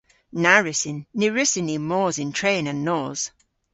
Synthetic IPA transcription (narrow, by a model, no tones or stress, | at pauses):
naɹɪsɪnːɪɹɪsɪnimɔːzɪ̃ntʰɹ̥ẽːnə̃nːɔːz̥